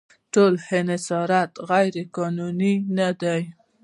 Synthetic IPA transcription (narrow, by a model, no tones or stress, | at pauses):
ʈolhenɪsɑɾat̪ɣajɾekɑnuninad̪aj